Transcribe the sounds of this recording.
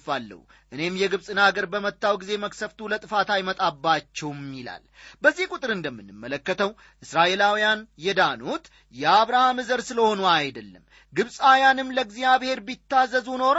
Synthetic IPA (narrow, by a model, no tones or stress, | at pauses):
falːə̰wu | ʔɨne̞mjɛɡɨβsʼɨnaɡəɾbəmət̪ːawɡize̞məksəft̪ulət̪ʼɨfat̪ajmət̪ʼabːat͡ʃːɛwmːila̰lbəzːihkʼut̪ʼɨɾɨnd̪əmːɨnːɨmːələkːət̪ʰəw | ʔɨsɾaʔe̞lawijanjɛd̪anot̪ | jɛaβɾahamɨzəɾsɨləho̞nuajd̪əlːəmː | ɡɨβsʼajanɨmləɡzjaβhe̞ɾbit̪ːazːəzuno̞ɾ